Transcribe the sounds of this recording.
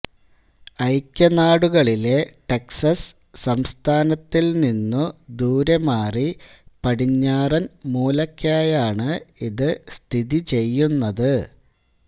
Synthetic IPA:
ɐjkʲːɐnaːɽuɣɐɭile̞ʈeksɐsː | ɐmst̪ʰaːnɐt̪ːilninːud̪uːɾɐmaːri | pɐɽiɲːaːrɐnmuːlɐkʲːaːjaːɳɨiðɨst̪ʰiðit͡ɕe̞jːunːɐðɨ

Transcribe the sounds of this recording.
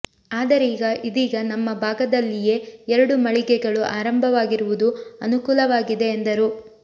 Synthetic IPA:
aːd̪ɐɾeiːɡɐʔid̪iːɡɐnɐmːɐbʱaːɡɐd̪ɐlːije̞ɛɾɐɽumɐɭiɡɛɡɐɭuʔaːɾɐmbʱɐʋaːɡiɾuʋud̪uɐnukuːlɐʋaːɡid̪e̞ːnd̪ɐɾu

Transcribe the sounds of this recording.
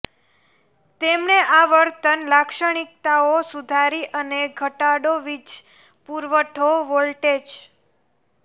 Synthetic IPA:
t̪emneʔaʋəɾt̪ənlakʃəɽ̃ik̚t̪aosud̪ʱaɾiʔəneɡʱəʈaɽoʋid͡ʒ | puɾʋəʈʰoʋolʈed͡ʒ

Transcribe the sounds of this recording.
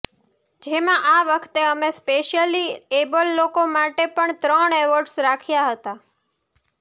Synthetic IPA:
d͡ʒemãʔaʋəkʰt̪eəmespeʃijəliebəlːokomaʈepəɳt̪ɾəɳeʋəɾɖsɾakʰijaɦət̪a

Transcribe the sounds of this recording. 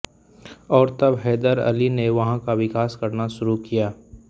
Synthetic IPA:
ɔːɾt̪ɐbɦɛːd̪əɾɐ̰lineʋɐɦãkaʋɪkaːskɐɾnaʃʊɾukijaː

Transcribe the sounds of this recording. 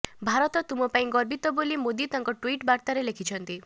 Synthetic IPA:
bʱaɾɔt̪ɔt̪umɔpaĩɡɔɾbit̪ɔbolimod̪it̪aŋkɔʈwiʈbaɾt̪aɾelekʰit͡ʃʰɔnt̪i

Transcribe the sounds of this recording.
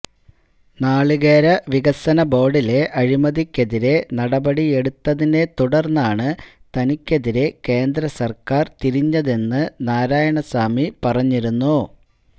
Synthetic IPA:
naːɭɨɣeːɾɐʋiɣɐsɐnɐbo̞ːɽile̞ʔɐɻimɐðikʲːeðiɾe̞nɐɽɐbɐɽie̞ɽut̪ːɐðinde̞t̪uɽɐrnːaːɳɨt̪ɐnikʲːe̞ðiɾe̞ke̞ːnd̪ɾɐsɐrkaːrt̪iɾiɲːɐðe̞nːɨnaːɾaːjɐɳɐsaːmipɐrɐɲːiɾunːu

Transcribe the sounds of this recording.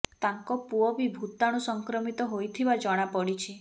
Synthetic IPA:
t̪aŋkɔpuɔbibʱut̪aɽ̃usɔŋkɾɔmit̪ɔɦojt̪ʰibad͡ʒɔɽ̃apɔɽit͡ʃʰi

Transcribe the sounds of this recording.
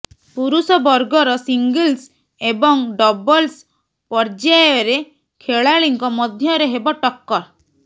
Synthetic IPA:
puɾusɔbɔɾɡɔɾɔsiŋɡils | ebɔŋɖɔbɔls | pɔɾd͡ʒajɔɾe | kʰeɭaɭiŋkɔmɔd̪ʱjɔɾeɦebɔʈɔkːɔɾ

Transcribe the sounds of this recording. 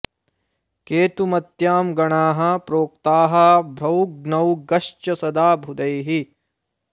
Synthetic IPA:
keːt̪umɐt̪jaːmɡɐɳaːɦɐ̆pɾoːkt̪aːɦɐ̆bʱɾɐwɡnɐwɡɐʂt͡ʃɐsɐd̪aːbʱud̪ɐjɦi

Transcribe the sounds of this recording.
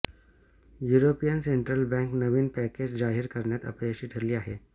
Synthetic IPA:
juːɾoːpijənsẽɳʈɾəlbɛ̃ŋknəʋiːnpɛked͡ʒzaːɦiɾkɐɾnjat̪ɐ̰pekʃiʈʰəɾlijaɦɛː

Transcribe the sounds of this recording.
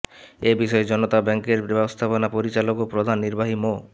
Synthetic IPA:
ebiʃɔed͡ʑɔnot̪abɛŋkeɾbɛbost̪ʰaponapoɾit͡ɕalokopɾod̪ʱanːiɾbaɦimo

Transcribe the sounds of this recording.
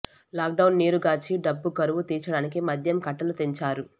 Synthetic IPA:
laːk̚ɖɐwnːiːɾuɡaːt͡ʃiɖɐbːukɐɾuʋut̪iːt͡ʃɐɽaːnik̬imɐd̪ʱjɐmkɐʈːɐlut̪eɲt͡ʃaːɾu

